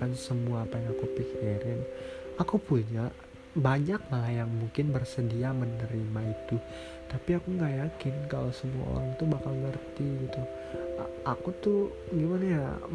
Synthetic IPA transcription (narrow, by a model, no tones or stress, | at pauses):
ansəmuaːpajaŋakupikeɾɪnakupuɲa | baɲak̚malajaŋmuŋkɪnbərsədiamənəɾimait̪u | t̪apiakuŋɡajakɪnka̰losəmua̰o̰ɾaŋt̪ubakalŋərt̪iɡit̪u | akut̪ʊ | ɡimanaja̰